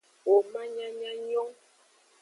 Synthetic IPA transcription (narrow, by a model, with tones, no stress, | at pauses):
o˨ma˦ɲa˦ɲa˦ɲɔ˦ŋ